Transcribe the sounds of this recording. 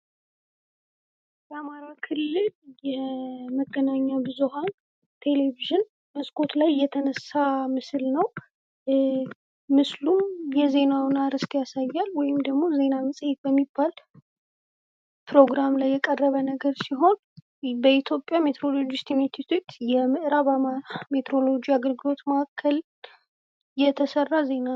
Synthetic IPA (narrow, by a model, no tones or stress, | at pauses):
jɛamaɾakʰɨlːɨljɛməɡːənaɲːabɨzuɦan | t̪ʰe̞le̞viʒɪn | məskʰo̞t̪lajːɛt̪ʰənəsːamɨslnəw | mɨslumjɛze̞nawnaɾɨskjasajːalwɔjɪmd̪əɡmo̞ze̞naməsʼjet̪̚bəmːibːal | pɾo̞ɡɾamlajːɛkʼərːəβənəɡəɾsiɦo̞n | bəit̪ʰjo̞pʼːjamet̪ʰɾo̞lo̞d͡ʒɪst̪ʰimet̪ʰit̪ʰot͡ʃjɛmɨʔɨɾaβmet̪ʰɾo̞lo̞d͡ʒiaɡəɾɡɨlo̞t̪məakʰːəl | jɛt̪ʰəsərːaze̞na